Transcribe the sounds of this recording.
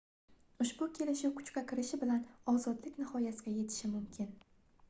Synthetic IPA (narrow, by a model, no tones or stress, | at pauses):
ʊʃbʊkʲʰe̞lɪʃɪwkʰʊ̥t͡ʃkʲakʲʰɪɾɪʃɪbɪlanɒzɒd̪lɪkʲnɪhɒjasɪɡʲaje̞t̪ʰɪ̥ʃɪmʊmkʲʰɪn